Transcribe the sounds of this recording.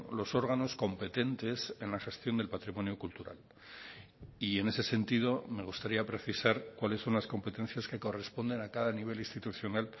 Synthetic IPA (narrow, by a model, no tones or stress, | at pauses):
lo̞so̞ɾɣ̞ano̞sko̞mpe̞t̪e̞nt̪e̞se̞nlaxe̞st̪jo̞nd̪e̞lpat̪ɾimõ̞njokult̪uɾa̰l | ie̞ne̞se̞se̞nt̪ið̞o̞me̞ɣ̞ust̪aɾiapɾe̞θisaɾkwale̞sːo̞nlasko̞mpe̞t̪ẽ̞n̟θjaske̞ko̞re̞spo̞nd̪e̞nakaðaniβ̞e̞list̪it̪uθjo̞nal